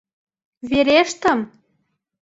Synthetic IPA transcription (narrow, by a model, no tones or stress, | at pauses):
βeɾeʃt̪ə̆m